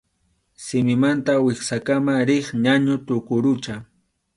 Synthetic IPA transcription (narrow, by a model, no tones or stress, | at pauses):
sɪmɪmant̪awɪχsakamaɾɪχɲaɲʊt̪ʊkʊɾʊt͡ʃa